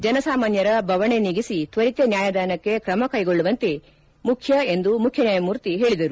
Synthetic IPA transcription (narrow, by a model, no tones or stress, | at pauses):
d͡ʒɐnɐsaːmaːnjɐɾɐbʱɐʋɐɳe̞niɡisit̪ʋɐɾit̪enjaːjɐd̪aːnɐkːe̞kɾɐmɐkɐjɡo̞ɭːuʋɐnt̪e | mukʰjɐe̞nd̪umukʰjɐnjaːjɐmuːɾt̪iɦe̞ːɭid̪ɐɾu